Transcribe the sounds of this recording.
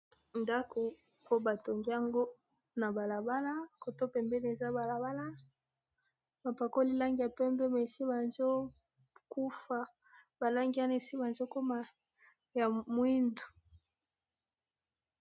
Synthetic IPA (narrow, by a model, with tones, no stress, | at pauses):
nda˦ko˨ | po˦ba˨to˨ŋɡi˦a˨ŋɡo˦ | na˨ba˨la˨ba˦la˦ko˨to˦pɛ˨mbɛ˦n˨e˨za˦ba˨la˨ba˦la˦ | ba˨pa˨ko˦li˦la˦ŋɡi˨ja˨pɛ˦mbɛ˦me˨si˦ba˨nzo˦ | ku˦fa˨ | ba˨la˦ŋɡi˦a˦ne˨si˦ba˨nzo˦ko˦ma˨ | ja˨mwi˦ndu̥˨